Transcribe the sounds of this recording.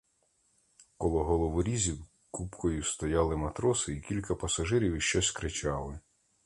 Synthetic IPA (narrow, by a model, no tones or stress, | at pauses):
kɔlˠɔɦɔlˠɔʋʊɾʲizʲiw | kupkɔjʊst̪ɔjɑlˠɪmɐt̪ɾɔsɪikʲilʲkɐpɐsɐʒɪɾʲiwiʃt͡ʃɔsʲkɾɪt͡ʃɑlˠɪ